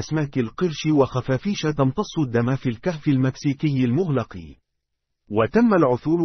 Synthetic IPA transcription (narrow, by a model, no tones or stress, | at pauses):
asmaːkɪlqɨɾʃɪwaxafaːfiːʃat̪ɑmt̪ˤɑsˤːʊd̪ːamaːfiːlkaħfɪlmaksiːkɪjːɪlmʊɣlɑqɨ | wat̪amːalʕʊθuːl